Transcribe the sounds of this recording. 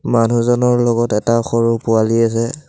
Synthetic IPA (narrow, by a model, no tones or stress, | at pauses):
manuzɔnɔɹlɔɡɔtɛtaxoɹupʊalias̬ɛ